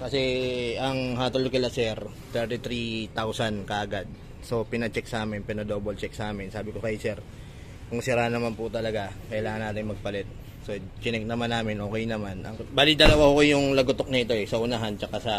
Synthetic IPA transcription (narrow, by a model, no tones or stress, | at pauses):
kɐsɛɐŋɦaːt̪olkɪlasɛɾ | t̪ɛɹt̪it̪ɾit̪awsɐnkɐʔɐɡad̪̚ | so̞pɪnɐt͡ʃɛk̚sʔaːmɪnpɪnɐd̪o̞ːbolt͡ʃɛk̚sɐaːmɪnsaːbɪkokɐjsɛɾ | kʊŋsɪɾanːɐmanpʊt̪ɐlɐɡakɐʔɪlaːŋɐnːaːt̪ɪŋmɐɡ̚pɐlɛt̪̚ | so | t͡ʃɪnɛk̚nɐmanːaːmɪnʔo̞ːkɛjnɐmanʔɐ̰ŋbaːlɪd̪ɐlɐwahokojʊŋlɐɡʊt̪ok̚nit̪o̞ɛsɐʔʊnaɦant͡ʃɐkasɐ